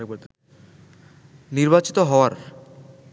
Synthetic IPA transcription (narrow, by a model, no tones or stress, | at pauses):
o | niɾbat͡ɕi̥t̪oɦɔoaɾ